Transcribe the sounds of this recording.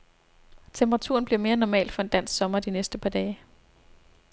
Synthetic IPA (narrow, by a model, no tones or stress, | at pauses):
t͡sʰempʰəʁɑ̈t͡sʰṵɐnb̥liɐme̝ːɐnɒmɛ̰ːld̥fɒ̽e̝nd̥æn̰sɡ̥sɒ̽mɐd̥inesd̥əpʰɑ̈ːd̥ɛː